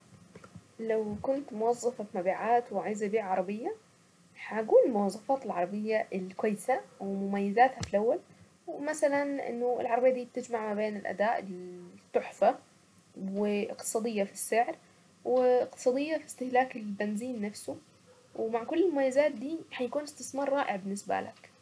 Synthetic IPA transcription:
lawkʊnt̪mʊwɑzˤːɑfɑfmabiːʕaːt̪wɪʕajzajbiːʕʕɑɾˤɑbɪjːa | ħaɡuːnɪlmʊwɑzˤːɑfɑːt̪ɪlʕɑɾˤɑbɪjːaʔɪlkwajːɪsawɪmʊmajːɪzaːt̪hafilʔawːal | wɪmasalanʔɪ̰nːʊ̰lʕɑɾˤɑbjːad̪iːt̪ɪd͡ʒmaʕmabeːnɪlʔa̰d̪aːʔɪt̪ːʊħfa | wɪʔɪqt̪ɨ̥sˤɑːd̪ɪjːafi̥sːɪʕɾ | wɪɪqt̪ɨ̥sˤɑːd̪ɪjːafi̥st̪ɪhlaːkɪlbɪnziːnːafsu | wmaʕkʊlːɪlmʊmajːazaːt̪̚d̪iːħajakuːnɪst̪ɪsmɑːɾˤːɑːʔɪʕbɪnːɪsba̰la̰k

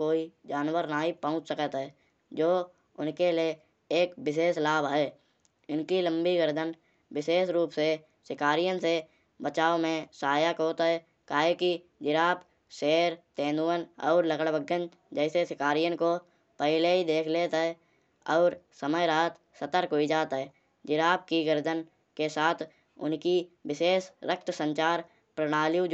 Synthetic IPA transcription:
koːid͡ʒaːnwəɾnaːɦipəʊ̃t͡ʃsəkət̪ɦɛː | d͡ʒoː | ʊnkelie | eːkbɪʃ̬eːʃlaːbɦɛː | ɪnkilə̃mbiɡəɾd̪ən | wɪʃeːʃɾuːpse | sɪkaːɾijənse | bət͡ʃaːomẽsaːjakɦoːt̪ɦɛ | kaːɦeki | d͡ʒɪɾaːp | ʃeːɾt̪ẽːnd̪uwənɔ̰ːɾləɡəɽbəɡən | d͡ʒɛːsesɪkaːɾijənko | pəɦɪleid̪eːkʰleːt̪ɦɛ | ɔːɾsəməjɾaːt̪ | sət̪əɾkɦoid͡ʒaːt̪ɦɛː | d͡ʒɪɾaːp̚kiɡəɾd̪ʱən | kesaːt̪ʰ | ʊ̰nkiwɪʃeːsɾək̚t̪ʰsə̃ɲt͡ʃaːɾ | pɾəɽ̃aːlju

